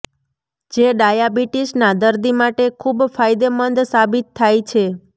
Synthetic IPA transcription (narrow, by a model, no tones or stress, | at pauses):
d͡ʒeɖajabiʈisnad̪əɾd̪imaʈekʰubfajd̪emənd̪sabit̪ʰːajt͡ʃʰe